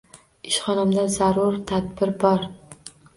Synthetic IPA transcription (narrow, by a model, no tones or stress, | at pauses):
ɪʃχɒnamd̪azaɾʊɾt̪ʰad̪bɪɾbɒɾ